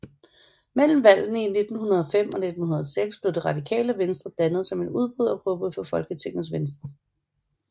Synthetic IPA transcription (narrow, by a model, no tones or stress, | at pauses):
mel̰m̩ʋæl̰n̩əine̝d̥n̩hunɐð̞ˠɒ̽fem̰ɒ̽ne̝d̥n̩hunɐðˠseɡ̥sb̥le̝ʊd̥iʁɑ̈d̥ikʰɛ̰ːləʋensd̥ʁɐd̥ænəð̞̩ˠsɒ̽me̝nuð̞ˠb̥ʁuð̞ˠɒpʰʁɔb̥ʁuðˠfɒ̽fɒ̽lɡ̥ət͡sʰe̝ŋ̰ð̩ˠsʋensd̥ʁɐ